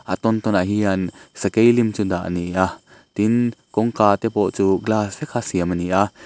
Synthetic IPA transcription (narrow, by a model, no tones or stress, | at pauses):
ʔat̪ɔnt̪ɔnaɦiansɐkejlimt͡sud̪aʔniʔa | t̪inkɔŋkaːt̪ɛpɔʔt͡suɡlaːsvɛkʰasiəmaniʔa